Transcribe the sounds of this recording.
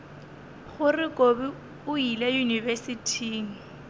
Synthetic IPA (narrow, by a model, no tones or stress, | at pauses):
ɣʊrɪkʼobi | ʊilajunivɛsitʰiːŋ̩